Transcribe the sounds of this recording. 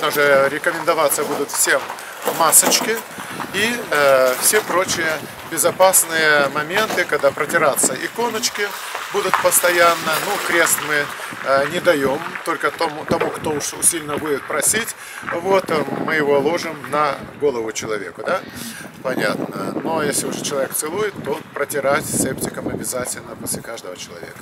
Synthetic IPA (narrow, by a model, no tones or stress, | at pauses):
d̪aʐɨɾʲɪkəmʲɪnd̪ɐvat̪sːəbud̪ʊt̪fsʲemː | asət͡ɕkʲɪ | i | fsʲepɾo̞t͡ɕɪjə | bʲɪzɐpasnɨjəmɐmʲe̞nt̪ɨkɐɡd̪apɾətʲɪɾat̪səʔɪko̞nət͡ɕkʲɪ | bud̪ʊt̪pəst̪ɐjanːənukɾʲest̪ʲmɨ | nʲɪd̪ɐjo̞mt̪o̞lʲkət̪omt̪ɐmukt̪o̞ʊʂʊ̰sʲilʲɪnəbudʲɪt̪̚pɾɐsʲitʲ | vo̞t̪mɨjɪvo̞lˠo̞ʐɨmnɐɡo̞lˠəvʊt͡ɕɪlˠɐvʲe̞̰kʊd̪a | pɐnʲa̰t̪nə̰no̞jesʲlʲɪʊʐɛt͡ɕɪlˠɐvʲek̚t̪sɨlˠujɪt̪ːopɾətʲɪɾatʲsep̚tʲɪkəmɐbʲɪzatʲɪlʲnəposʲlʲɪkaʐd̪əvət͡ɕɪlˠɐ̰vʲḛkə